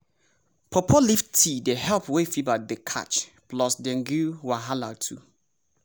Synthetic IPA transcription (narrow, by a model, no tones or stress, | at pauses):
pʰɔpʰɔliftʰidehɛlpwefivadekʰa̰t͡ʃplɔsdɛ̃ŋɡuwaɦalatʰṵ